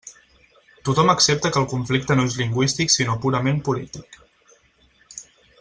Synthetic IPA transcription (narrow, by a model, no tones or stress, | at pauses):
t̪ut̪ɔməksep̚t̪əkəːlˠkuɱflik̚t̪ənoezliŋɡwist̪iksinopuɾəmempulit̪ik